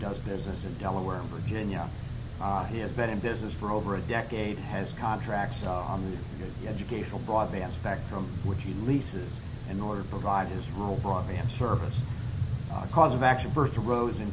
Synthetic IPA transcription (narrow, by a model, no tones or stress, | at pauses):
d̥ʌzbɪznɨsɨ̃ndɛlˠəwɛɹɨ̃nvə˞d͡ʒɪ̃njɨ | iɨzbɨ̃nɨ̃nbɪznɨsfə˞oʊvə˞ɨdɛkeɪd̚ɨz̥kʰɑ̃ntʰɹ̥æk̚tsn̩ði | ɛd͡ʒɨkʰeɪʃn̩l̩ˠbɹɔd̚bæ̃nspɛk̚tɹ̥ə̃mwɨt͡ʃhilisɪz | ɨ̃nɔɹɾə˞tə̥pʰɹ̥əvaɪd̚ɨzɹul̩ˠbɹɔd̚bæ̃nsɜ˞vɨs | kʰɔzʌvækʃɨ̃nfɜ˞stə˞oʊzɨ̃n